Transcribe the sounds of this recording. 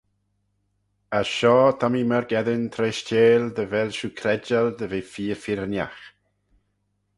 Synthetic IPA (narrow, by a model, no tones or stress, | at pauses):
aʃɔːt̪ʰamiməɾɡɛðənt̪ʰɾeːʃteːld̪əvɛlʃuːkʰɾɛd͡ʒald̪əvefiːɾfɪɾnja̰x